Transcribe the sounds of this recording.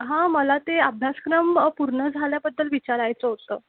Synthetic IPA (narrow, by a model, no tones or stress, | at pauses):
ɦãməlat̪eabʱjaskɾəmpuɾɳəd͡zʱaljabəd̪ːəlʋit͡ɕaɾajt͡səɦot̪ə̰ː